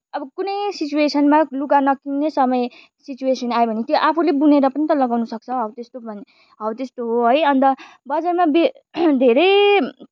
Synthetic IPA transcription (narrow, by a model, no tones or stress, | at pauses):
ʌbʌkunʌjsit͡suesʌnmaluɡanʌkinesʌmʌj | sit͡suesʌnajbʱʌnet̪joʔapʰulebuneɾʌpʌnit̪ʌlʌɡawnusʌk̚t͡sʰʌɦʌwt̪est̪obʱʌn | ɦʌwt̪est̪oɦoɦʌjʌnt̪ʌbʌd͡zarmabe | d̪ʱeɾʌj